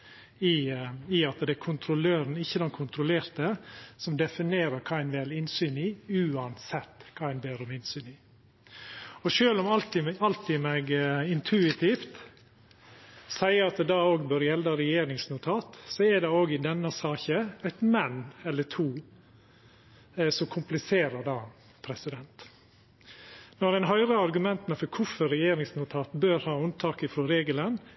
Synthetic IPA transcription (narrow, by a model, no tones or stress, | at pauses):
ɪɪɑt̪d̪ɛæɾkʰʊnt̪ʰɾʊløːɾən̩ɪçːəd̪ɛnkʰʊnt̪ɾʊleːɾt̪əsɔmd̪ɛfɪneːɾəɾkʰɑːæɪnʋɛlɪnsyːniːʉːɑnsɛt̪ːkʰɑæɪnbeːɾɔmɪnsyːniː | ɔʃøːlɔmɑlt̪ɪɑlt̪ɪːmɛɡɪnt̪ʰʉɪt̪ʰɪːft̪ | sæɪəɾɑt̪̚d̪ɛd̪ɑoːɡbøːɾjɛlːɑɾɛjeːɾɪŋsnʊt̪ʰɑːt̪sɔɛd̪ɛoːɡɪd̪ɛnːəsɑːçəæɪt̪mɛnːɛlːət̪ʰuː | sɔmkʰʊmplɪseːɾəɖɑː | pʰɾɛsɪd̪ɛnt̪ | nɔɾɛɪnɦœʏɾəɑɾɡʉmɛnt̪nfɔɾkʰʊfɔɾːɛjeːɾɪŋsnʊt̪ʰɑːt̪bøːɾhɑːʉnt̪ʰɑːkɪfɾoːɾeːɡələn